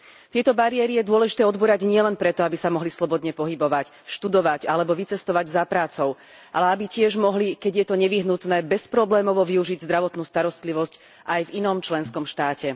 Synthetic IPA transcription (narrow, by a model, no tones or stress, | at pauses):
t̪ɪɛt̪ɔbaɾiɛɾijɛd̪ʊɔlɛʒit̪ɛːɔd̪buɾaɟɲɪɛlɛnpɾɛt̪ɔabisamɔɦlislɔbɔd̪ɲɛpɔɦibɔʋac | ʃt̪ud̪ɔʋaɟalɛbɔʋit͡sɛst̪ɔʋaɟzapɾaːt͡sɔʊ | ʔa̰lɛabicɪɛʒmɔɦlikɛɟjɛt̪ɔɲɛʋiɦnut̪nɛːbɛspɾɔblɛːmɔʋɔʋiuʒiɟzd̪ɾaʋɔt̪nuːst̪aɾɔst̪liʋɔsc | ʔajvinɔmt͡ʃlɛnskɔmʃt̪aːcɛ